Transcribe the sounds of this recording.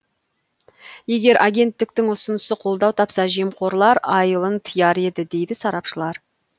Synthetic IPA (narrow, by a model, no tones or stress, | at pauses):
je̞ɡʲe̞ɾʔaɡʲe̞nt̪ːɪk̚t̪ɪŋʊsʊnəsəqʰo̞lˠd̪ɑwt̪ʰɑpsɑʒijəmqʰo̞ɾlˠɑɾɑjəlˠənt̪ʰəjɑɾe̞d̪ɪd̪e̞jd̪ɪsɑɾɑpʃəlˠɑɾ